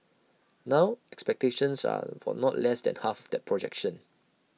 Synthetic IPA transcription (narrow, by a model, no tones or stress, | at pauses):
nãʊɛkspɛk̚teʃə̃nsa̰fɔ̰nɔtlɛsdɛ̰̃nhafɔfdɛt̚pʰɹɔd͡ʒɛkʃə̃n